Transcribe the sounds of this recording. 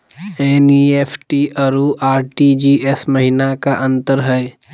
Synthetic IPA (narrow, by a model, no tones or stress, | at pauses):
eːnieːpʰʈiːəɾuʔaːɾʈid͡ʒiːesməɦɪnakaʔə̃nt̪əɾɦɛe